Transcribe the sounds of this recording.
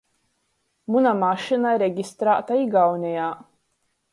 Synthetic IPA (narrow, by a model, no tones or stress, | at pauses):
munamaʃinaɾeɡʲist̪ɾaːt̪aiɡawnʲɛjaː